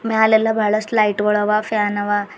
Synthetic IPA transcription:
mjalelabʱaɭəslaiʈʋəɭɔʋafjanɐʋa

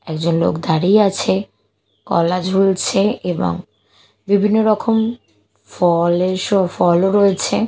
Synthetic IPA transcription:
ɛkd͡ʑonlo̰kd̪aɾieat͡ɕʰe | kɔ̰lad͡ʑɦult͡ɕʰeebo̰ŋ | bibʱinːoɾɔkʰom | fɔleʃofɔloɾɔet͡ɕʰe

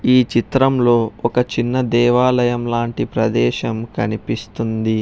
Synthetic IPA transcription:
iːt͡ʃit̪ɾɐmlo̞ːɔkɐt͡ʃinːɐd̪ɛːʋaːlɐjɐmlaːɳʈipɾɐd̪ɛːʃɐmkɐnipist̪und̪i

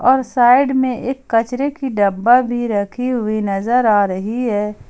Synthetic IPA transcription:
ɔːɾsaːɪɖmẽʔeːkːɐt͡ʃɾekiɖɐbːabʱiɾɐkʰiɦʊinɐzəɾaːɾɐɦiɦɛː

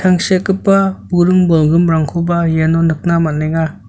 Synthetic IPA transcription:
tʰaŋsekːɯpːabuɾɯŋbɔlɡɯmɾaŋkʰubajanɔnɯk̚namanːeŋa

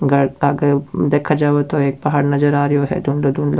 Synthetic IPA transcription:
ɡɐɾɐɡəɾd̪eːkʰad͡ʒaːʋot̪oeːk̚pɐɦaːɾnɐzəɾaːɾjoɦɛ̰d̪ʱʊɳlod̪ʱʊɳlo

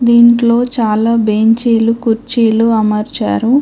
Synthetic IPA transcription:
d̪iːɳʈlo̞ːt͡ʃaːlaːbeːɲt͡ʃiːlukuɾt͡ʃiːluɐmɐɾt͡ʃa̰ːɾu

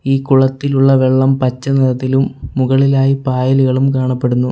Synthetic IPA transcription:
iːkuɭɐt̪ːiluɭːɐʋeɭːɐmpɐt͡ɕːɐnɐɾɐt̪ːilumːuɣɐɭilaːjipaːjɐliɣɐɭumkaːɳɐpːe̞ɽunːu

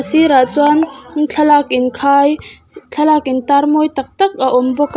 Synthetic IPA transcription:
siɾat͡swant͡ɬʰɐlak̚ʔɪnkʰaːj | t͡ɬʰɐlakɪnt̪armɔjt̪ɐk̚t̪ɐk̚aʔɔmbɔk

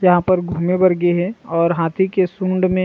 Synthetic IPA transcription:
jɐɦãpɐɾɡʱuːmebɐɾɡeɦɛ̃ɔːɾɦaːt̪ʰikesũːɳɖmẽ

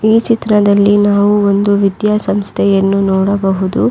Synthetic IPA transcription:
iːt͡ʃit̪ɾɐd̪ɐlːinaːʋuond̪uʋid̪jaːsɐmst̪ʰɛjɐnːunɔːɽɐbɐɦud̪u

